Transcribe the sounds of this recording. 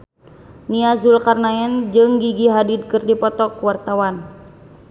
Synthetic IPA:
niazulkarnaɛnd͡ʒɨŋɡiɡiɦadid̪̚kɨrdipɔt̪ɔkuwart̪awan

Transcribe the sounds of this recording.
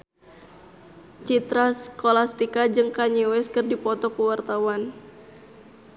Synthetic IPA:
t͡ʃit̪ɾaskolast̪ikad͡ʒɨŋkaɲiwɛskɨrdipɔt̪ɔkuwart̪awan

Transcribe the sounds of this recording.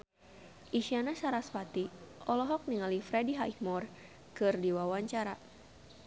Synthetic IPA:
ʔiʃianasaɾaspat̪iʔɔlɔɦɔk̚niŋalifɾɛdiɦaihmɔr | kɨrdiwawaɲt͡ʃaɾa

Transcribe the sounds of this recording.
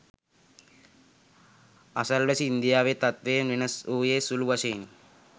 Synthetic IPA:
ɐsɐlʋɐsiːnd̪ijaːʋeːt̪ɐt̪ʋeːɐmninɐsuːjeːsuluʋɐʃein

